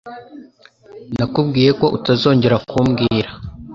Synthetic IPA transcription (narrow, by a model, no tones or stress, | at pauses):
nakubɡiːje̞ko̞ʔutazo̞ːɲɟe̞ɾakʰumɡiːɾa